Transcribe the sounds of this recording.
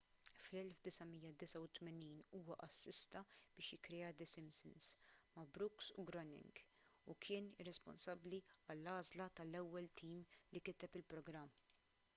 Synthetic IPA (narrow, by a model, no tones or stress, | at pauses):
flɛlfd̪ɪsɐmijːɐd̪ɪsɐwt̪mɛniːnuːwɐʔɐsːɪst̪ɐb̥ɪːʃjɪkːɾɛjɐd̪ɛsɪmsɪnsmɐbɾʊksuɡɾɔnɪ̰ŋɡ | ukʰɪːnɪrːɛspɔ̰nsɐbːliɐlːɐːzlɐt̪ɐlɛwːɛlt̪ʰiːmlikɪt̪ɛpɪlpɾɔɡɾɐmː